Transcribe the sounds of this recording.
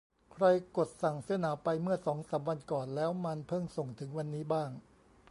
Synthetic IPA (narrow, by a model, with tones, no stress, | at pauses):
kʰɾa˧jko˨˩t̪̚sa˨˩ŋsɯ˩˦˥ɐnaː˩˦wpa˧jmɯ˥˩ɐsɔː˩˦ŋsaː˩˦mwa˧nkɔː˨˩nlɛː˦˥wma˧npʰɤ˥˩ŋso˨˩ŋt̪ʰɯ˩˦ŋwa˧nːiː˦˥baː˥˩ŋ